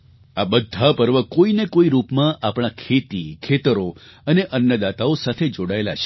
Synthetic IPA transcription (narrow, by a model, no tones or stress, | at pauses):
abəd̪ʱːapəɾʋəkoinekoiɾupmãʔapɽ̃akʰet̪ikʰet̪əɾoəneʔənjəd̪at̪aosat̪ʰed͡ʒoɽaela̰t͡ʃʰe̥